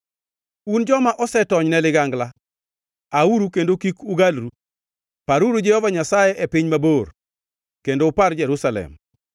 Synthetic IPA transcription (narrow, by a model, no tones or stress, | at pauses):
und͡ʒɔmaʔɔsɛtɔɲnɛlɪɡaŋɡla | auɾukendokikuɡalɾu | paɾuɾud͡ʒɛhɔvaɲasajɛʔɛpɪɲmabor | kendoːpard͡ʒɛɾusalɛ̰m